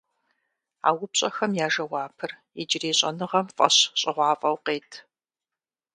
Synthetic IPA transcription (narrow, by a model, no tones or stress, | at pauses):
a̰ːwʊpɕʼɐxɐmjaːʒɐwɑːpʰɨr | id͡ʒɪreːɕʼɐ̰nɨʁɐmfʼɐ̰ɕɕʼɪʁʷɑːfʼɐwqeːtʰ